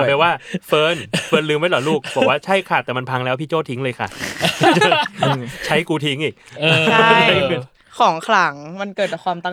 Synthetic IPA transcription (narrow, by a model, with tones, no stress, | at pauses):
a˨˩pa˧waː˥˩ffɤː˧nfɤː˧nlɯː˧ma˥˩lɔː˨˩˦luː˥˩k̚bɔ˨˩k̚waː˥˩t͡ɕʰa˥˩jkʰa˧˩t̪ɛː˨˩ma˧npʰaː˧ŋlɛː˦˥wpʰiː˥˩t͡ɕoː˥˩t̪ʰi˦˥ŋlɤː˧jkʰa̰˥˩˧ | t͡ɕʰa˦˥jkuː˧t̪ʰi˦˥ŋʔiː˨˩k̚ːa˥˧˩ | kʰɔː˩˦ŋkʰla˩˦ŋma˧nkɤː˨˩t̪̚t͡ɕaː˨˩kʰaː˧mt̪a˥˩